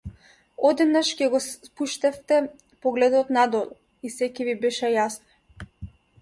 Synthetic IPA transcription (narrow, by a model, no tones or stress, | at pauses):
ɔd̪ɛd̪naʃcʲɛɡɔpuʃt̪ɛft̪ɛ | pɔɡlɛd̪ɔt̪nad̪ɔlˠɔ | isɛcɛvibɛʃɛjasnɔ